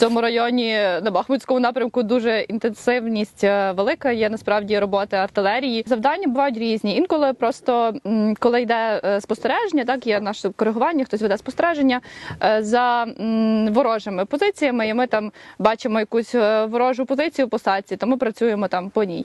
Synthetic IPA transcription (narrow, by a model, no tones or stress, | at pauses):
t͡sʲɔmʊɾɐjɔnʲinɐbɐxmʊtʲsʲkɔmʊnɑpɾʲɐmkʊd̪uʒɛint̪ensɪwnʲisʲtʲʋelˠɪkɐjɛnɐspɾɑwdʲiɾɔbɔt̪ɪɐrt̪ɪlˠɛɾʲijizɐwd̪ɑnʲːɐbʊʋɑjʊt̬ʲɾʲizʲnʲiinkɔlˠɪpɾɔst̪ɔkɔlˠɪjd̪ɛspɔst̪eɾɛʒenʲːɐt̪ɑkjɛnɑʃkɔɾeɦʊʋɑnʲːɐxt̪ɔsʲʋed̪ɛspɔ̥st̪eɾɛʒenʲːɐzɐ | ʋɔɾɔʒemɪpɔzɪt͡sʲijɐmɪimɪt̪ɑmbɑt͡ʃɪmɔjɐkusʲʋɔɾɔʒʊpɔzɪt͡sʲijʊpɔsɑt͡sʲit̪ɔmɪpɾɐt͡sʲujemɔt̪ɑmpɔnʲḭj